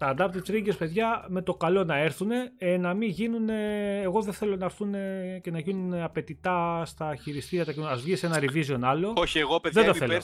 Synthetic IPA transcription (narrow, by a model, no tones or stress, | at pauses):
t̪ɐːnd̪ɐpt̪ipsɾiɟespe̞ðʝɐme̞t̪o̞kɐlo̞nɐeɾθune̞enɐmiʝinuneːɣo̞ðeθe̞lo̞nɐɾθunecenɐʝinuneɐpe̞t̪it̪ɐst̪ɐçiɾist̪iɾiɐt̪ɐkinɐzvʝise̞nɐɾivizio̞nɐlo̞oçieɣopeðed̪ɐθel